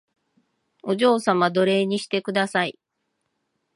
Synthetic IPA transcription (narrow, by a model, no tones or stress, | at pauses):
o̞ʑo̞ːsamad̪o̞ɾe̞ːɲ̟iɕi̥t̪e̞kɯ̟d̪asai